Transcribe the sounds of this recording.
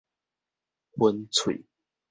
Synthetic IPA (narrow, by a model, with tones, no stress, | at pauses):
xwə˦nt͡sʰwḛ˨˩˦